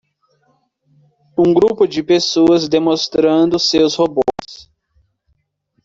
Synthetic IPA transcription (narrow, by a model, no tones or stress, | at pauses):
ũɡɾupʊd͡ʒɪpesoɐzd̪emõst̪ɾɐ̃nd̪ʊsewshobo̰s